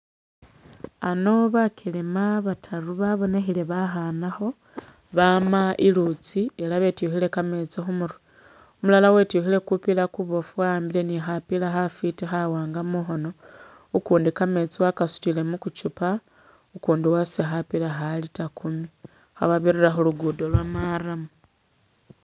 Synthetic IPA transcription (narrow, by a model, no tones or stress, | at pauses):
ano̞βakʰilimaβatʰaɾuβaβo̞ne̞xile̞βaxanaxo̞ | βamaʔilut͡sielaβe̞tuxile̞kame̞t͡sixumuɾu | omulalawe̞tjuxile̞kupilakuβo̞fuwaːmbile̞nixapilaxafitixawaːŋɡamuxo̞no̞ | ukuːndikame̞t͡siwakasu̥tile̞mukut͡ʃupa | ukuːndiwasexapilaxalitakumi | xa̰βaβiriraxoluɡudolwamaramu